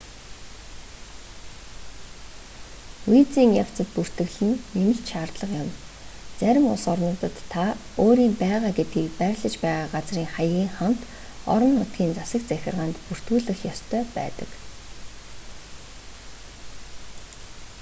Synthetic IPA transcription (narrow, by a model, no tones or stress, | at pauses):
uj̆t͡siːŋjaw̥t͡sə̆t̪̚pur̥t̪ɘ̆ɣɮɘ̆nːemɘ̆ɬt͡ɕ̪ʃaːrt̪ɮə̆qjʊm | t͡sæɾʲɪ̆mʊɮsɔrnʊːt̪ə̆t̪ʰːaoːɾiːmpæːʁaːɡet̪̚ɡiːkpæɾʲɮə̆t͡ɕpæːʁaːɢat͡sriːŋχajɣʲiːŋχam̥t̪ | ɔ̰ɾɞ̆nːʊt̪̚ɡʲiːnt͡sasə̆kt͡sæxʲɪ̆rʁaːnt̪pur̥t̪uːɮɘ̆xjɔst̪ʰœːpæ̰ːt̪ə̥̰̆k